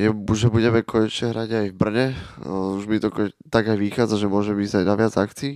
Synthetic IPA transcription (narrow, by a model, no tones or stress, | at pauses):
jɛʒɛbuɟɛmɛkʰɔɲɛt͡ʃɲɛɦɾaɟajvbr̩ɲɛuʒmit̪ɔkɔt̪aɡajʋixaːd͡zaʒɛmʊɔʒɛmizajnaʋɪad͡zakt͡siː